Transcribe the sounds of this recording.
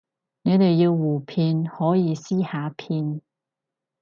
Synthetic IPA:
ne˨˧t̪e˨jːi˧wːuː˨˩pʰiː˧nhɔː˨˥jiː˨˧siː˥haː˨˥pʰiː˧n

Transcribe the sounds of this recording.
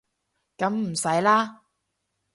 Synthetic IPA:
kɐ˨˥mm̩˨˩sɐ˨˥jlaː˥

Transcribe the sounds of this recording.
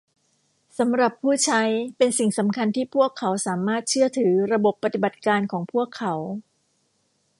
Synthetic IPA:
sa˩˦mɾa˨˩pʰːuː˥˩t͡ɕʰa˦˥jpe˧nsi˨˩ŋsa˩˦mkʰa˧nt̪ʰiː˥˩pʰu˥˩əkʰːa˩˦wsaː˩˦maː˥˩t̪̚t͡ɕʰɯ˥˩ɐt̪ʰɯː˩˦ɾa˧bo˨˩pːa˧t̪i˨˩ba˨˩t̪̚kaː˧nkʰɔː˩˦ŋpʰu˥˩əkʰːa˩˦w

